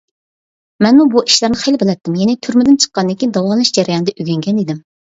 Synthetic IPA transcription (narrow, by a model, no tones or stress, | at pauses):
mɛnmubuʔi̥ʃlæɾnɨχelbɪlɛt̪ːɪmjɛnɪt̪ʰyɾmɪd̪ɪnt͡ʃʰə̥qːɑnd̪ɪkʲid̪ɑwɑlˠlˠɨʃd͡ʒɛɾɪjɑnɨd̪ɛʔyɡʲɛŋɡʲɛnid̪ɪm